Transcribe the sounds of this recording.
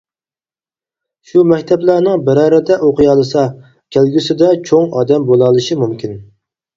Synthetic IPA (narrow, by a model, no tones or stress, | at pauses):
ʃumɛkʲt̪ʰɛblæɾnɪŋbæɾɑːɾɪd̪ɛʔoqʰɨjɑlˠɨsɑ | kʲʰælɡʲysɪd̪ɛt͡ʃʰoŋɑ̰ːd̪ɛmbolˠɑlˠɨʃimumkʲʰin